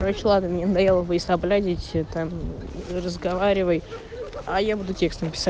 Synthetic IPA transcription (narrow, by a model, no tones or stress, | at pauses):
ɾot͡ɕɪlˠad̪nəmʲnʲenəd̪ɐjelˠəbəɪsɐblʲadʲɪtʲt̪amrəzɡɐvaɾʲɪvəj | ajabud̪ʊtʲe̞kst̪əmpʲɪ̥sa